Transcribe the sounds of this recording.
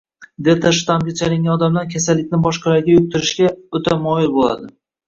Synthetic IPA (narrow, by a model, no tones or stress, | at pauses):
d̪ep̚t̪ʰaʃt̪amɡʲat͡ʃʰalɪŋʲɡʲanɒd̪amlaɾkʲʰasalːɪkʲnɪbɒʃqɑlaɾɡʲajʊk̚t̪ɪɾɪʃɡʲaɵt̪ʰamɒjɪlbolˠa̰d̪ɪ